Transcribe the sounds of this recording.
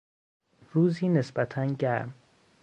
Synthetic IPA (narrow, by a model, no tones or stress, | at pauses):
ruːziːne̞sbæt̪ʰænɟæɾm